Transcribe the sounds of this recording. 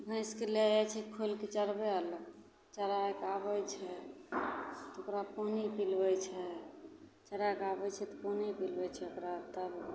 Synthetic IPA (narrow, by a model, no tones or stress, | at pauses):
bʱə̃ɪskelejat͡ʃʰɛkʰolket͡ʃəɾbɛələ | t͡ʃəɾajkabɛjt͡ʃʰɛ | t̪okɾaponipilbɛt͡ʃʰɛ | t͡ʃəɾajkabɛt͡ʃʰɛt̪ɔponipilbɛt͡ʃʰɛokɾat̪əb